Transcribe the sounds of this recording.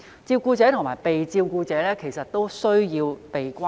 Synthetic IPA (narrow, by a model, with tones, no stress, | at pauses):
t͡siː˧wkuː˧t͡sɛː˨˥t̪ʰʊ˨˩ŋmaː˨˩jpe˨jt͡siː˧wkuː˧t͡sɛː˨˥lɛː˥kʰe˨˩sɐ˨t̚t̪o˥wsɵ˥ɥjiː˧wpe˨jkʷa˥